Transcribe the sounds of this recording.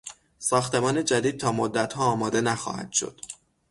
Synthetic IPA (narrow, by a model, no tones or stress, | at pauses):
sɒːxt̪e̞mɒːne̞d͡ʒæd̪iːd̪̚t̪ʰɒːmod̪ːæt̪ʰhɒːɒːmɒːd̪e̞næxɒ̰ːhæ̰d̪̥ʃo̰d̪̥